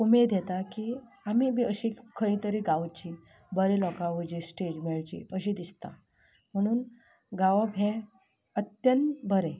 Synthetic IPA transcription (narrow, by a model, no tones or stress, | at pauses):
umed̪jɛt̪akiː | amiːmiəɕikʰəit̪əɾiɡaʋt͡ɕi | bəɾelɔkaʋəd͡ʑisʈed͡ʑmeɭt͡ɕḭəɕid̪ist̪a̰ | m̤əɽ̃uːn | ɡaʋəbʱɦẽ | ət̪jənt̪bəɾe